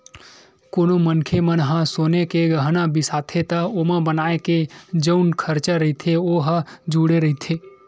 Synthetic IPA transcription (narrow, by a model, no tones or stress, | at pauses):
koːnomənkʰemənɦãsoːnekeɡəɦnãbʱisaːt̪ʰet̪aoːmãbənaːeked͡ʒənkʰəɾt͡ʃaɾɐɦit̪ʰeoɦad͡ʒuːɽeɾəɦit̪ʰe